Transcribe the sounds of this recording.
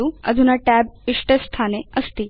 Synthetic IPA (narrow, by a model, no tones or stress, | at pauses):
uə̰d̪ʱunaʈɛbiʂʈest̪ʰaneəst̪i